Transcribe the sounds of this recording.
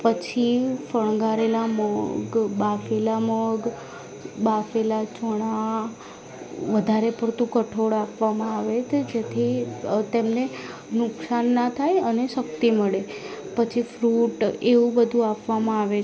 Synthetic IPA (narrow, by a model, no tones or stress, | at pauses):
pət͡ʃʰifəɭ̃ɡaɾelaməɡbafelaməɡ | bafelat͡ʃəɽ̃a | ʋəd̪ʱaɾepəɾt̪ũkəʈʰoɽapʋamãaʋet͡ʃʰed͡ʒet̪ʰit̪emne | nʊksanːat̪ʰajəneʃəkt̪iməɭepət͡ʃʰifɾuʈeʋũbəd̪ʱũapʋamãaʋe